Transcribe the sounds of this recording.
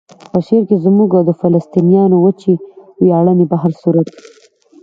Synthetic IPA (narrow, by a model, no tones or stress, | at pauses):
pəʃeɾkezmuɡad̪əfalast̪inijɑnowət͡ʃiwjɑɽənebaɦaɾsuɾat̪̚i